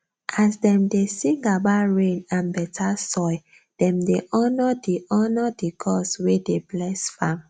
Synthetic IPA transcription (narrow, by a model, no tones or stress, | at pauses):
ʔasdɛ̃mdesĩŋɡabaɹẽnãnbɛtʰasɔj | d̥ɛ̃mdeʔɔnɔdiʔɔnɔdiɡʰɔswedeblɛsfãm